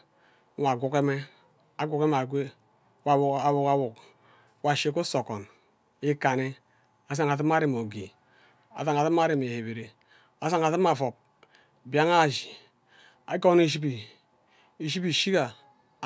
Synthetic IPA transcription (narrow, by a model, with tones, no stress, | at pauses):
wa˨ɡu˨ke˦me˦ | a˨ɡʷu˨ke˦m˦˨a˨ɡʷe˦ | wa˨a˨wu˨ka˨wu˨k | wa˨ʃe˨ko˦so˨ko˨n | i˦ka˨ne˦ | a˨s̬a˨ŋa˨t̬i˦m˦a˦ɾi˨m˨o˨ɡḭ˨ | a̰˨sa˨ŋa˨ti˦m˦a˦ɾi˦˨m˨e˨he˨be˨ɾe˨ | a˨sa˦ŋa˨ti˦m˦a˨fo˨p̚ | bi˦a˦ŋa˦˨d͡ʒi˨ | a˨ɡo˦ne˨ʃ̬i˦pi˨ | i˨ʃi˦pi˨ʃi˦ka˨